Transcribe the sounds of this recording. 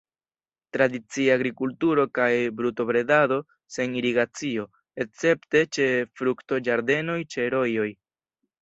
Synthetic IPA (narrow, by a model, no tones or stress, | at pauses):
tɾadit͡siaːɡɾikultuɾo̞kajbɾuto̞bɾe̞dado̞ | se̞niɾiɡat͡sio̞ | et͡se̞pte̞t͡ʃe̞fɾukto̞d͡ʒaɾde̞no̞jt͡ʃe̞ɾo̞jo̞j